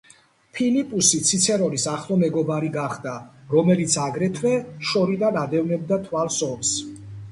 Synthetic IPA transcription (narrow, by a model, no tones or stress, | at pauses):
pʰilipʼusit̪sʰit̪sʰɛɾɔlisaχlˠɔmɛɡɔbaɾiɡaχd̪aɾɔmɛlit̪sʰaɡɾɛt̪ʰvɛʃɔɾid̪anad̪ɛvnɛb̚d̪at̪ʰwalsɔms